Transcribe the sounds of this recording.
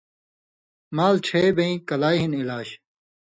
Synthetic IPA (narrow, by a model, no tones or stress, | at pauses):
maːlʈ͡ʂʰeːbeĩkɐlaːjɦinilaːɕ